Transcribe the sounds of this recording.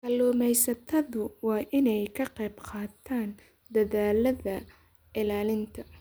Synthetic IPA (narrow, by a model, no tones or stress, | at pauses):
kɐlɔːmɛjsɐt̪ʰɐðʊwɑːʔɪnɛjkʰɐqɛjbqɑːt̪ʰːaːn | d̪ɐðaːlɐðɐ | ʔɪlaːlɪnt̪ʰɐ